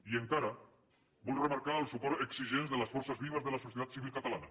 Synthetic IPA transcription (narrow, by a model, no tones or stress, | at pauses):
ieŋkaɾa | bɔlremaɾkaəlˠsupɔɾeksiʒenzðelasfoɾsazβiβ̞azðəlasusjet̪at̪siβilˠkat̪alana